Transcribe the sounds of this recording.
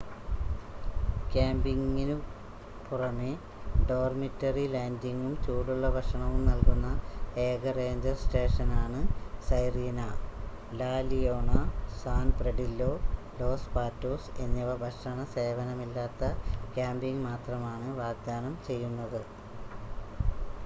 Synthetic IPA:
kaːmbiŋinu | purɐme | ɖo̞ːrmitːɐrilaːndiŋɡumt͡ɕuːɽuɭːɐbʱɐʂɐɳɐʋumnɐlkunːɐeːɡɐre̞ːɲd͡ʑɐrsʈe̞ːʂɐnaːɳɨsɐjriːnɐ | laːlijoːɳɐsaːnpreɖilːo̞ː | lo̞ːspaːtːoːsenːɐʋɐbʱɐʂɐɳɐse̞ːʋɐnɐmilːaːt̪ːɐkaːmbiŋmaːt̪rɐmaːɳɨʋaːɡ̚d̪ʱaːnɐmt͡ɕe̞jːunːɐðɨ

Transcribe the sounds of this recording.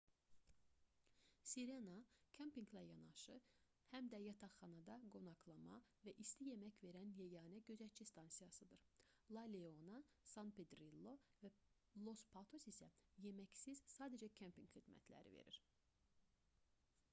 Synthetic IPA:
siɾenɑkʰempiŋɡlæjɑnɑʃɯ | hæmd̪æjɑt̪ʰɑχɑnɑd̪ɑɡo̞nɑkʰlˠɑmɑ̰væʔist̪ije̞mæcve̞ɾænjejɑːnæɟøzæt͡ʃʰist̪ʰɑnsijɑsɯd̪ɯɾ | lˠɑleo̞nɑ | sɑnped̪ɾilˠːo̞væ | lˠo̞spʰɑt̪ʰo̞sisæje̞mæcsiz̥sɑːd̪æd͡ʒæcʰempiŋɡχid̪mæ̰t̪ʰlæ̰ɾḭvḛɾḭɾ

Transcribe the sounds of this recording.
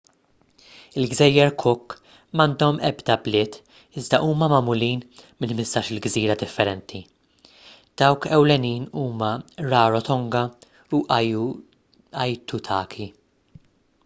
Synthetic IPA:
ɪlɡzɛjːɛɾkʰʊkː | mɐnd̪ɔmɛ̰bd̪ɐblɪːt̪ | ɪzd̪ɐʔuːmɐmɐmʊliːnmɪnmɪst̪ɐːʃɪlɡziːɾɐd̪ɪfːɛɾɛnt̪ʰi | d̪̥ɐwkɛwlɛniːnuːmɐɾɐːɾɔt̪ɔŋɡɐ | uʔ | ɐjt̪ut̪ʰɐːkʰi

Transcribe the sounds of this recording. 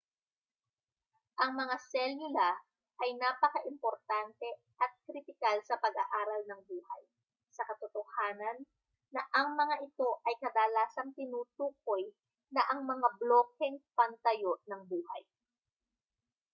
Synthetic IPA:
ʔɐŋmɐŋasɛlʊlɐ | ʔɐjnaːpɐkɐʔɪmpoɾt̪ant̪ɛ | ʔɐt̪̚kɾɪt̪ɪkalsɐpɐɡa̰ʔaːɾɐlnɐŋbuːhɐ̰j | sɐkɐt̪ot̪ohaːnɐnː | ɐʔɐŋmɐŋaʔɪt̪o̞ʔɐjkɐd̪aːlaːsɐŋt̪ɪnuːt̪uːk̚o̞j | nɐʔɐŋmɐŋabloːk̚ɛŋpɐnt̪ɐjoʔnɐŋbuːhɐj

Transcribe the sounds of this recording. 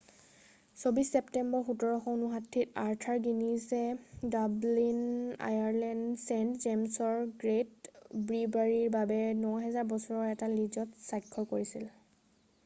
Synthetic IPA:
sobisːɛptɛmbɔɹxutɔɹɔxɔʊnuɦatʰːitaɹtʰaɹɡinisɛdablina̰jaɹlɛndsentzemsɔɹɡɹetbɹibaɹiɹbabɛnɔɦɛzaɹbɔsɔɹɔɹɛtalid͡ʒɔtsajkʰːɔkoɹisil

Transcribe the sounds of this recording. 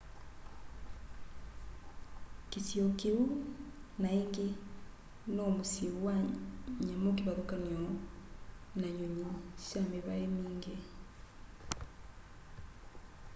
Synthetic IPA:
kisjokiunaiŋɡi | nomusiwaɲamokiβaɾukanio | naɲuɲisameβaemiːŋɡe

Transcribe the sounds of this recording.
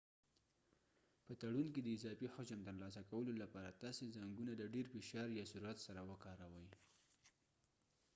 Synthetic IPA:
pət̪aɽunked̪əɪzɑfixʊt͡ʃəmt̪əɾlɑsakawəlolapɑɾat̪ɑsezaŋɡunad̪əɖeɾfɪʃɑɾjɑsuɾuat̪saɾawəkɑɾawəj

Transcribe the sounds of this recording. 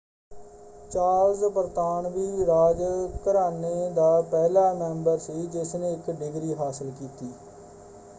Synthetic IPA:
t͡ʃaːɾzbəɾt̪aːɳʋiːɾaːd͡ʒkəɾaːneːd̪aːpɛːlaːmɛ̃ːmbəɾsiːd͡ʒɪsneːɪkɖɪɡɾiːɦaːsəlkiːt̪iː

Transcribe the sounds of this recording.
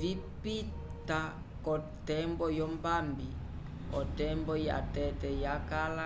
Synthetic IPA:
vipi | ta | kɔ | tɛmbɔjɔmbambi | ɔtɛmbɔja̰tɛtɛjakala

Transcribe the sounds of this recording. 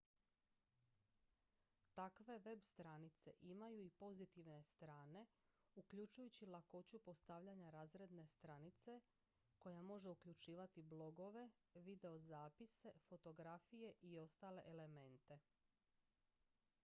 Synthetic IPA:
t̪akʋe̞ʋe̞bst̪ɾanit̪se̞ʔimajuipo̞zit̪iʋne̞st̪ɾaːne̞ukʎut͡ʃujut͡ɕilˠako̞t͡ɕupo̞st̪aʋʎaɲaɾaːzɾe̞d̪ne̞st̪ɾanit̪se̞ | ko̞jamo̞ʒe̞ukʎut͡ʃiːʋat̪iblˠo̞ɡo̞ʋe̞ | ʋid̪e̞o̞zaːpise̞fo̞t̪o̞ɡɾafije̞ʔio̞st̪aːle̞̰ʔele̞me̞nt̪e̞

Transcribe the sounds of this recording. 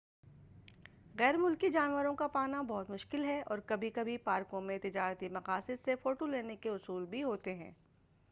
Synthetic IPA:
ɣɛːɾmʊlkid͡ʒaːnʋəɾõkapaːnabɔɦʊt̪mʊʃkɪlɦɛɔːɾkɐbʱikɐbʱipaːɾkõmẽt̪ɪd͡ʒaːɾt̪imɐqaːsɪd̪sefoːʈoleːnekeʊsuːlbʱiɦoːt̪eɦɛ̰̃ː

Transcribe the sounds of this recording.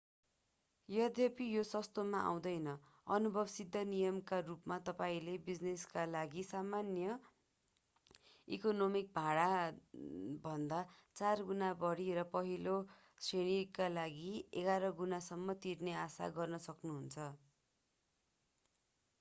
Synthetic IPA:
jʌd̪ʱʌpijosʌst̪omaʔa̰w̃d̪ʌjnʌ | ʌnubʱʌbsid̪ʱːʌnijʌmkarupmat̪ʌpaĩlebid͡zneskalaɡisamanjʌ | ikonomik̚bʱaɽa | bʱʌnd̪at͡sarɡunabʌɽiɾʌpʌɦilo | sreɽ̃ikalaɡieɡaɾʌɡunasʌmːʌt̪irneasa̰ɡʌrnʌsʌknuɦunt͡sʰʌ

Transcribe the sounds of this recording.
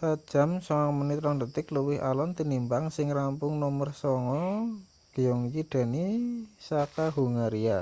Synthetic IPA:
pḁʒ̥a̤msɔŋaŋmənɪt̪ɾɔŋdət̪ɪkləwɪhʔa̰lɔnt̪inimpaŋsɪŋrampʊŋnɔmərsɔŋɔ | ɡ̥ijɔŋt͡ʃid̥a̤nisakaɦuŋaɾia

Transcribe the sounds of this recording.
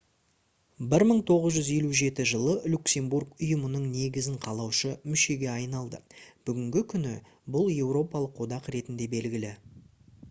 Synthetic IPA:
bɪɾməɴt̪ʰo̞ʁəzʒʏze̞luʒe̞t̪ɪʒəlˠəlʲukse̞mburkʊjəmənəɴne̞ɡʲɪzɪɴqʰɑlˠɑwʃəmʏʃe̞ɡʲe̞ɑjnɑlˠd̪ə̰b̥ʏɡʲɪŋɡʲɪkʲʰʏnɪ | bʊlˠje̞wɾo̞pɑlˠəqwo̞d̪ɑqɾe̞t̪ɪnd̪e̞be̞lɡʲɪlɪ

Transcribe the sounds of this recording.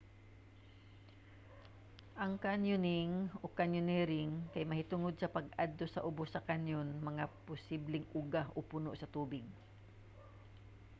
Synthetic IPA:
ʔɐŋkanjʊnɪŋokanjʊnɛɾɪŋkajmɐhɪt̪ʊŋod̪̚sɐpɐɡʔad̪losɐʔʊbosɐkanjonmɐŋapʊsiblɪŋʊɡahʔopʊnoʔsɐt̪uːbɪɡ̚

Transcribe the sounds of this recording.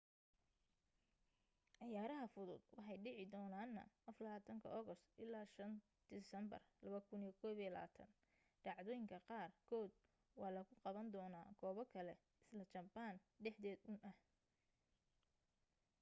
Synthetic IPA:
ʕɑjaːɾɐɦɐfʊðʊ̰d̪wɑħɑjɖɪʕɪd̪ɔːnaːnːɐ̰ʔɐflɐβaːt̪ʰɐŋkʰɐ̰ʔɔɣɔst̪ʔɪlːaːʃɐn | d̪̥ɪsɐmbɐ̰rlɐβɐkʰʊnijɐkʰɔːβijɐlɐa̰ːt̪ʰɐ̰n | ɖ̥ɑʕd̪ɔːjɪŋkʰɐqɑːrkʰɔːd̪ | wɑːlɐɣʊqɑβɐnd̪ɔːnaːɡ̥ɔːβɔkʰɐlɛ | ɪslɐt͡ʃɐbaːn | ɖɛħd̪ɛːd̪ʊnʔɐh

